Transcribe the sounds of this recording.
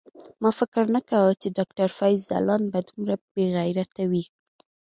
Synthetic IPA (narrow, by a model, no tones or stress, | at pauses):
mɑfɪkɪɾnakawət͡ʃedɑkʈaɾfɑjzːa̰lɑnbad̪umɾabeɣajɾat̪awi